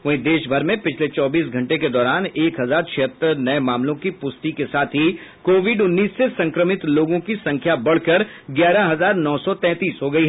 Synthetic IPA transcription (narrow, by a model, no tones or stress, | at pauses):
ʋɐɦĩd̪eːʃbʱɐɾmẽpɪt͡ʃʰlet͡ʃɔːbiːsɡʱɐ̃ɳʈeked̪ɔːɾaːneːkɦɐzaːɾt͡ʃʰɪət̪ːəɾnɐemaːmlõkipʊst̪ikesaːt̪ʰɦikoːʋɪɖʊnːiːsːesɐ̃ŋkɾəmɪt̪loːɡõkisɐ̃ŋkʰjabɐɽ̤kɐɾ | ɡjaːɾaɦɐzaːɾnɔːsɔt̪ɛ̃ːt̪iːsɦoːɡɐiɦɛ